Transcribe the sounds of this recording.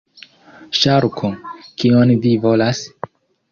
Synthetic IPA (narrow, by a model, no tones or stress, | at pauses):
ʃaɾkʰokionvivo̞las